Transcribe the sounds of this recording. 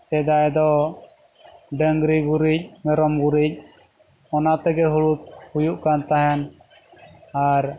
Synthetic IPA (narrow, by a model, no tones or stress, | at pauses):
sɛd̪ajd̪ɔ | ɖəŋɡɾiɡuɾic̚ˀmɛɾɔmɡuɾic̚ | ɔnat̪ɛɡɛɦuɭut̪̚hujuʔkant̪aɦɛn | aɾ